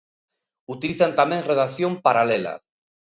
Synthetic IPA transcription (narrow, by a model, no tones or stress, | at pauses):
ut̪iliθant̪amẽŋreðaθjompaɾalela̰